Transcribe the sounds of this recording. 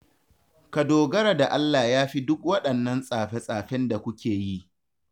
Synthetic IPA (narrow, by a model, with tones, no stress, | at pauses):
ka˨doː˨ɡɐ˦ɾa˨da˨ʔa˦lːaː˨jaː˦ɸi˦dʊ˦k̚wɐ˦ɗɐ˨nːɐ˦nsʼaː˨ɸe˦sʼaː˨ɸɛ˦nda˨kʷʊ˦kʲeː˨ji˦ʔ